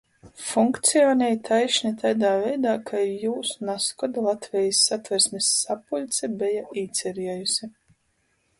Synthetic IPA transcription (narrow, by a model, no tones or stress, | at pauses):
fuŋkt̪sijɔːnʲɛjt̪ʰajʃnit̪ʰajd̪aːvɛjd̪aːkʰajuːsunaskɔd̪alˠat̪vʲɛjisːat̪vʲɛɾsmʲisːapulʲt̪sʲɛbʲɛjaiːt̪sʲɛɾiɛjusi